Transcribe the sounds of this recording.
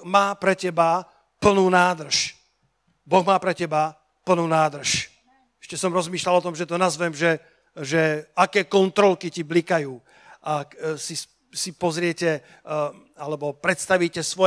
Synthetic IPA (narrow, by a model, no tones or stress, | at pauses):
maːpɾɛcɛba | pl̩nuːnaːd̪r̩ʃ | bɔɣmaːpɾɛcɛba | pl̩nuːnaːd̪r̩ʃ | ɛ̥ʃcɛsɔmɾɔzmiːʃlalɔt̪ɔmʒɛt̪ɔnazʋɛmʒɛ | ʒɛakɛːkɔnt̪ɾɔlkiciblikajuː | ʔaksis | sipɔzɾɪɛcɛ | alɛbɔpɾɛt̪st̪aʋiːcɛsʋɔ